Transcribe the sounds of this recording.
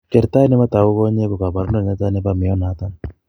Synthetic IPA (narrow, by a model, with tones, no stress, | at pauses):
kɛ˨ɾt̪a˦jnɛ˦ma˦t̪a˨u˦kɔ˦ɲe˦ku˨ka˨ba˨ɾnɔ˦˨a˦ta˦nɛ˦ba˦mɪ˨jɔ˦na˨˦t̪a˦n